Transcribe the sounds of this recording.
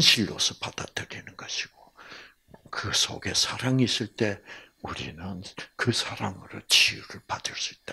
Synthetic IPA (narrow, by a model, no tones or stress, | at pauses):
nɕʰiɭːo̰sʰʌpad̥̪ad̪ɯɾinɯnɡaɕʰiɡ̥o | kɯsʰo̰ɡe̞sʰaɾaŋis͈ɯɭt͈e̞uɾḭnɯnkɯsʰaɾaŋɯɾot͡ɕijuɾɯɭpad̥̪ɯɭs͈uit͈a